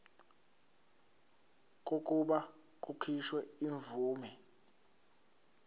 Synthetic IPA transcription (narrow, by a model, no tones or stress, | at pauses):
k̬ʼok̬ʼuɓa | k̬ʼukʰiʃwɛiɱvuːmɛ